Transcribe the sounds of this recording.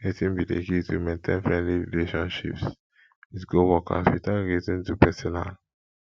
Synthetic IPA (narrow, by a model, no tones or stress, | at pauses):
etĩnbilḛkitʰumẽntʰẽnfɹɛ̃ndliɹḭleʃɔ̃nʃḭps | itɡowɔkʰa̰switaɹitĩntupɛsɔna̰l